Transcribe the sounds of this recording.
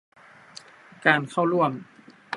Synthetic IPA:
kaː˧nkʰa˥˩wɾu˥˩əm

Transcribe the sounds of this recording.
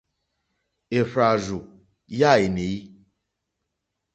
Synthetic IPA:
e˨ɸɾa˨ʒu˨ | ja˦˨e˨ne˨ji˦

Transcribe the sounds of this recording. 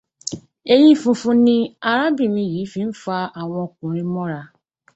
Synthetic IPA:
e˧j̃ĩ˦fũ˧fũ˧nĩ˦a˧ɾa˦bi˦˨mĩ˧ji˨˦fi˧˦n̩˦fa˧a˨w̃ɔ̃˧o˧kũ˨ɾ̃ĩ˦˧mɔ̃˦ɾa˧

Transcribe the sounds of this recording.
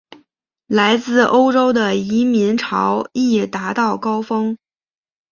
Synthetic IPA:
la˧˥ɪt͡sɹ̩˥˩ʔo˥ʊʈ͡ʂo˥ʊd̪ə˨i˧˥mi˧˥nʈ͡ʂʰɑ̰˧˥ʊi˥˩t̪a˧˥t̪ɑ˥˩ʊkɑ˥ʊfɤ˥ŋ

